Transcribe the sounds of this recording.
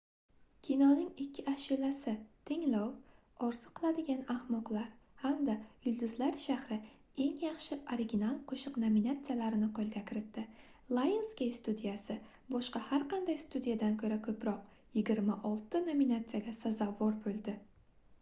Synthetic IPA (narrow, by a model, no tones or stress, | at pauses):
kʲʰinɒnɪŋɪkʲʰːɪaʃilasɪt̪ʰɪŋlɒw | ɒɾzɨqʰːɨlˠad̪ɪɡʲanahmɒqlˠaɾhamd̪ajʊlˠd̪ʊzlaɾʃahɾɪ | e̞ŋjɑχʃɪʔoɾɪɡʲinalˠqʰoʃɨqnominat̪sɨjalaɾɪnɪqʰolˠɡʲakʲʰɪɾɪt̪ːɪlˠajɪnskʲejst̪ud̪ijasɪ | bɒʃqɑhaɾqɑnd̪ajst̪ud̪ijad̪ankʰɵɾakʰɵpɾɒq | jɪɡʲɪɾmaʔɒlˠt̪ɪnominat̪sijaɡʲasazɒvɒɾbɵlˠd̪ɪ